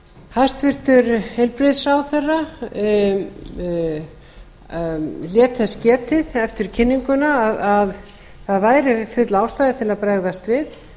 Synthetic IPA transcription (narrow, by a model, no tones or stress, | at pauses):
hajst̪vɪr̥t̪ʏɾhejlpɾɪðsawθɛrːa | ljɛːt̪θɛscɛːt̪ɪðɛft̪ɪɾ̥cʰɪnːiŋkʏnaːðað | θaðvaːjɾɪfʏt̪laːwst̪ajðɪt̪ʰɪlaðpɾɛɣðast̪vɪð